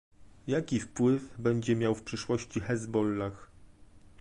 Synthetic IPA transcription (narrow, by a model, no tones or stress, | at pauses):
jakʲifpwɘvbɛɲd͡ʑɛmʲjawfpʂɘʂwɔɕt͡ɕixɛzbɔlːax